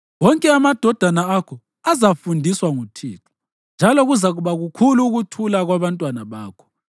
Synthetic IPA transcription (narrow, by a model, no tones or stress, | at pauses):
wɔŋkʼɛamad̥ʱɔd̥ʱanaakʰɔ | azafundʱiswaŋutʰiːǁʰu̥ | nd͡ʒʱalɔɣuzaɣuβaɣukʰuluːɣutʰulaɣwaβantʼwanaβaːkʰɔ̥